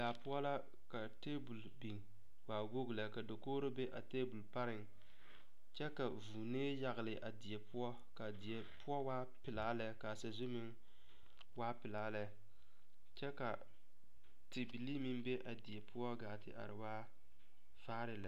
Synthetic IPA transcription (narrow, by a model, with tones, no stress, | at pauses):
laː˨pʊ˦ɔ˦la˦ | ka˨teː˦bu˨lbi˨ŋ˨ | waː˨wo˦ɡla˨ka˨do˨koː˦ɾo˦be˦ʔa˨teː˦bu˨lpa˦ɾɪ˨ŋ | t͡ʃɛ˦ka˨vuː˨neː˦ja˨ɣɪ˨lɪ˨ʔa˨dɪ˨ɛ˨pʊ˦ɔ˦ | ka˨dɪ˨ɛ˨pʊ˦ɔ˦waː˦ | pɪ˨laː˦la˨ka˨sa˨zʊ˦mɪ˦ŋ | waː˦pɪ˨laː˦la˨ | t͡ʃɛ˦ka˨ | ti˨bi˨li˦mi˦nbe˦ʔa˨dɪ˨ɛ˨pʰʊ˦ɔ˦ɡaː˨tɪ̰˨ʔa̰˨ɾɪ˨waː˦ | faː˦ɾɪ˨˦la˨